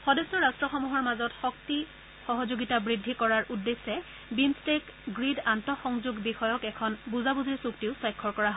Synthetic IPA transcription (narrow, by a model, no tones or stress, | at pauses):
xɔdesɔɹastɹɔxɔmuɦɔɹmazɔtxɔk̚ti | xɔɦɔzoɡitabɹidʱːikɔɹaɹʔudːesːɛ | bimstekɡɹidantɔxɔŋzuɡbixɔjɔkɛkʰɔnbuzabuziɹsuktiʊsajkʰːɔɹkɔɹaɦ